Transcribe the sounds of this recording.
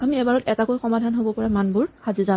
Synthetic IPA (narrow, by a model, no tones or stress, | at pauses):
amiɛbaɹɔtɛtakojxɔmadʱanɦobɔpɔɹamanbʊɹxaziza